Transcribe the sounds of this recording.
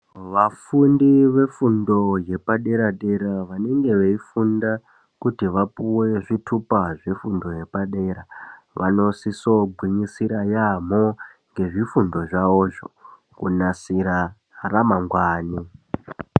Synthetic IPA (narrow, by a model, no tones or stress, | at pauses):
ʋafundiʋe̞fundo̞je̞paɗe̞ɾaɗe̞ɾaʋane̞ŋɡe̞ʋeifunda | kutiʋapuwe̞ʐitʰupaʐe̞fundo̞je̞paɗe̞ɾa | ʋa̰no̞siso̞ɡʱwiɲisiɾajam̤o̞ | ŋɡe̞ʐifundo̞ʐaoːʐo | kṵnasiɾa | ramaŋɡwaːni